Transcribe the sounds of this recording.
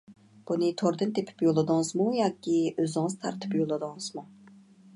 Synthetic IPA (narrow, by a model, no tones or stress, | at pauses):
b̥unɨt̪ʰoɾd̪ɨnd̪epʰi̥pjolˠɨd̪ɨŋzmujɑːkʲʰiøzɪŋzt̪ʰɑ̰ɾt̪ʰɨ̥pjolˠɨd̪ɨŋz̥mu